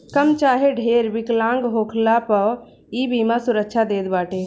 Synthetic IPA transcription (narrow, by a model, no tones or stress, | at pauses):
kəmt͡ʃaɦeɖʱeɾbiklãŋɡɦokʰlapə | ibimasuɾək̚t͡ʃʰad̪et̪baːʈe